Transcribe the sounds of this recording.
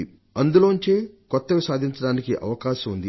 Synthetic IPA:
i | ɐnd̪uloːuɲt͡ʃeːkɔt̪ːɐʋisaːd̪ʱiɲt͡ʃɐɽaːnikiʔɐ̰ʋɐkaːʃɐmund̪i

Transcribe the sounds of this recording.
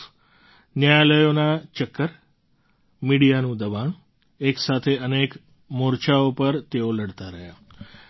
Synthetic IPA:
njajaləjonat͡ʃəkːəɾ | miɽijanũd̪əʋaɳ | eksat̪ʰeənek | moɾt͡ʃaopəɾt̪eoləɽt̪aɾəɦja̰

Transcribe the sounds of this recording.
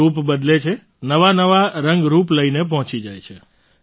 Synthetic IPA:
upbəd̪let͡ʃʰe | nəʋanəʋaɾə̃ŋɡɾupləinep̬ɔɦɔ̃t͡ʃid͡ʒajt͡ʃʰe

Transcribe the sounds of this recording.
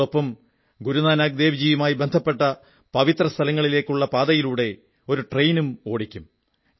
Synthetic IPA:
o̞pːɐm | ɡuɾunaːnaːɡ̚d̪eːʋid͡ʑiːjɐmaːjibe̞nd̪ʱɐpːe̞ʈːɐ | pɐʋit̪rɐst̪ʰɐlɐŋːɐɭile̞ːkʲːuɭːɐpaːd̪ɐjiluːɽe̞ | o̞ɾuʈrejnumo̞ːɽikʲːum

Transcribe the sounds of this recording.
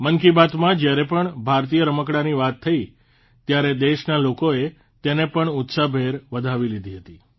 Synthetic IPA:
məŋkibat̪mãd͡ʒjaɾepəɳbʱaɾt̪̬ijəɾəməkɽaniʋat̪ʰːəi | t̪jaɾed̪eʃnalokoe | t̪enepəɳʊt̪sabʱeɾʋəd̪ʱaʋilid̪ʱiɦət̪i

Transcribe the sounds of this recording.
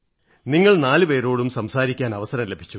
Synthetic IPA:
niŋːɐɭnaːlɨpe̞ːɾo̞ːɽumsɐmsaːɾikʲːaːnɐʋɐsɐɾɐmle̞bʱi̥t͡ɕːu

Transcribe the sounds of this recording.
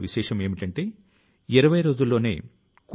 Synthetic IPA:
ʋiʃɛːʂɐme̞ːmiʈɐɳʈe̞ː | iɾɐʋɐjɐɾo̞ːd͡ʒulːo̞ːne̞̰ː | k

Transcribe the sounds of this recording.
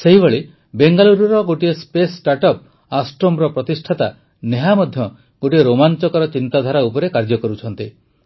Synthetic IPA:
seɦibeɭi | beŋɡaluɾɔɾɔɡoʈiespesʈaɾʈɔp̚ | asʈɾomɾɔpɾɔt̪isʈʰat̪a | neɦamɔd̪ʱjɔ | ɡ̥oʈieɾomant͡ʃɔkɔɾɔt͡ʃint̪ad̪ʱaɾaupɔɾekaɾd͡ʒɔkɔɾut͡ʃʰɔnt̪i

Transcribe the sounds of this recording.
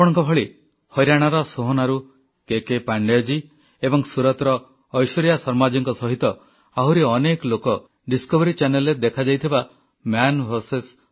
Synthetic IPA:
apɔɽ̃ɔŋkɔbʱɔɭi | hɔjɾaɽ̃aɾɔsoɦonaɾu | kekepaɳɖed͡ʒi | ebɔŋsuɾɔt̪ɾɔː | jsɔɾijasɔɾmad͡ʒiŋkɔsɔɦit̪ɔ | aɦuɾiɔnekɔlokɔ | ɖiskɔbɔɾit͡ʃaneled̪ekʰad͡ʒajt̪ʰiba | mjanbʱɔɾses

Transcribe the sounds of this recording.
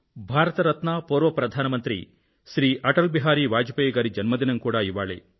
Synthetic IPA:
bʱaːɾɐt̪ɐɾɐt̪naːpoːɾʋɐpɾɐd̪ʱaːnɐmɐnt̪ɾḭ | ʃɾiːʔɐʈɐlbiɦaːɾiʋaːd͡ʒɐpɐjɡaːɾid͡ʒɐnmɐd̪inɐnkuːɽaːiʋaːɭḛ

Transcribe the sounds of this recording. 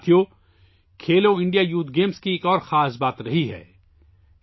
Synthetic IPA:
t̪ʰijo | kʰeːloɪ̃ɳɖijajuːt̪̚ʰɡeːmskieːkɔːɾxaːsbaːt̪ɾɐɦiɦɛ̰ː

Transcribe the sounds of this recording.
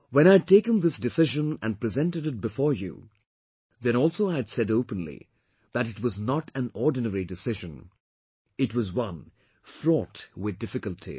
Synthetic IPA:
wɛ̃ɾ̃aɪɨd̚teɪkə̃nðɪsdɨsɪʒə̃næ̃n̚pɹɨzɛ̃ntɨɾɨt̚bɨfɔɹjṵ | ðɛ̃ñɔlˠsoaɪɨd̥sɛdoʊpə̃nlḭ | ðɨɾɨt̚wʌznətʰæ̃nɔɹdⁿnəɹidɨsɪʒə̃n | ɨtwʌzwʌ̃n | fɹɔtwɪð̚dɪfɨkəlˠtʰḭ

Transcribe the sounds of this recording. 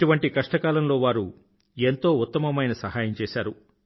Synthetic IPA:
uʋɐɳʈikɐʂʈɐkaːlɐmlo̞ːʋaːɾu | ent̪o̞ːut̪ːɐmɐmɐjnɐsɐɦaːjɐmt͡ʃɛːʃaːɾu

